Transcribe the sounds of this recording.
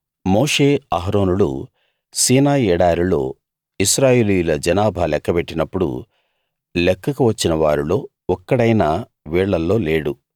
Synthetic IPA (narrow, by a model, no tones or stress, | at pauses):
mo̞ːʂe̞ːaɦɾo̞ːnulṵ | siːnaːjɛːɽaːɾilo̞̰ː | isɾaːjeːlujulɐd͡ʒɐnaːbʱɐlɛkːɐpeʈːinɐpːuɽṵ | lɛkːɐkuʋɐt͡ʃːinɐʋaːɾilo̞ː | ɔkːɐɽɐjna | ʋiːɭːɐlːo̞ːle̞ːɽu